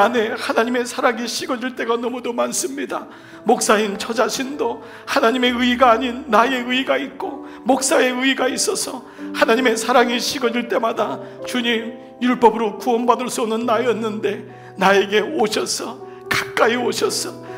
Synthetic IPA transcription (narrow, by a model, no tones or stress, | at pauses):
ane̞hanaɲime̞sʰaɾaŋiɕʰiɡʌɲd͡ʑuɭt͈e̞ɡanʌmudomans͈ɯmɲida | mok̚s͈aint͡ɕʰʌd͡ʑaɕʰindo | hanaɲime̞ɯiɡaːɲinːaje̞ɯiɡait̚k͈o | mok̚s͈ae̞ɯiɡais͈ʌsʰʌ | hanaɲime̞sʰaɾaŋiɕʰiɡʌd͡ʑiɭt͈e̞madat͡ɕuɲim | juɭp͈ʌbɯɾokuʌnbadɯɭs͈uʌmnɯnːaʌnːɯnde̞ | nae̞ɡe̞oɕʰʌsʰʌ | kḁk̚k͈aioɕʰʌsʰʌ